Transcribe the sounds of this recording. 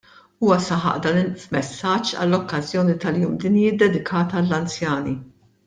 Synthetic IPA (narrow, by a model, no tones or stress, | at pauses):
uːwɐsɐħɐ̰ʔd̪ɐːnɪfmɛsːɐd͡ʒːɐ̰lːɔkːɐzjɔːnit̪ɐljuːmd̪ɪnjɪd̪ːɛd̪ɪkʰɐːt̪ɐlːɐnt͡sjɐːni